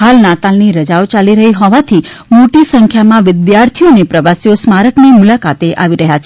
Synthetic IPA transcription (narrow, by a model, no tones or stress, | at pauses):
ɦalnat̪alniɾəd͡ʒaot͡ʃaliɾəɦiɦɔʋat̪ʰi | moʈisəŋkʰjamãʋɪd̪jaɾt̪ʰijonepɾəʋasjosmaɾəknimʊlakat̪eʔaʋiɾəɦjat͡ʃʰe